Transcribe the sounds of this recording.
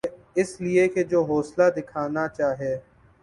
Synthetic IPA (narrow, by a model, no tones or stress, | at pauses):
ɪslɪeked͡ʒoːɦoːslad̪ɪkʰaːnat͡ʃaːɦieː